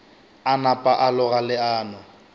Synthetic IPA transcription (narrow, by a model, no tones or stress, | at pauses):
anapʼaʔalʊɣalɪaːnʊ